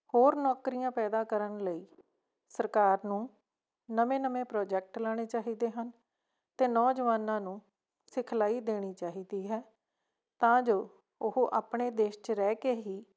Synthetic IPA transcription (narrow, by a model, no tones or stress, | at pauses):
hoːɾnɔːkɾijãːpɛːd̪aːkəɾənləiː | səɾkaːɾnũː | nəmẽːnəmẽːpɾɔːd͡ʒɛːk̚ʈlɛːɽ̃eːt͡ʃaːɦiːd̪eːɦən | t̪eːnɔːd͡ʒəʋaːnãːnũː | sɪkʰlaːiːd̪eːɽ̃iːt͡ʃaːɦiːd̪iːɦɛː | t̪ãːd͡ʒoː | ʊɦʔaːpɳeːd̪eːʃt͡ʃəɾɛːkeːɦiː